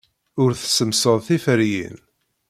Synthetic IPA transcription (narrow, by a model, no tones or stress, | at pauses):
ʊɾθsəmsəðˤθifəɾjḭn